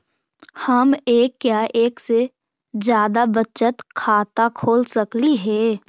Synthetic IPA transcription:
həmeːkːjaːʔeːkse | d͡ʒjaːd̪abət͡ʃət̪kʰaːt̪akʰoːlsəkliɦɛː

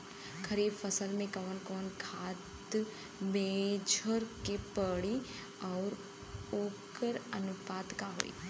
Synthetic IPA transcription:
kʰɐɾiːbfəsəlmẽkəʋənkɔːnkʰaːt̪ | mẽd͡ʒʱoɾkepəɽi | ɔːɾ | oːkəɾənʊpaːd̪kaɦo̰ːḭ

